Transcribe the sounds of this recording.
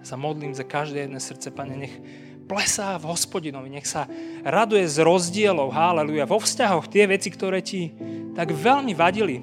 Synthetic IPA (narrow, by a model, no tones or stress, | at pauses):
samɔd̪liːmzakaʒd̪ɛːjɛd̪nɛːsr̩t̪t͡sɛpaɲɛɲɛx | plɛsaːvɦɔspɔɟinɔʋiɲɛxsaɾad̪ujɛzɾɔzɟɪɛlɔʊɦalɛlujaʋɔfscaɦɔxt̪ɪɛʋɛt͡sikt̪ɔɾɛːcit̪aɡʋɛlmiʋaɟili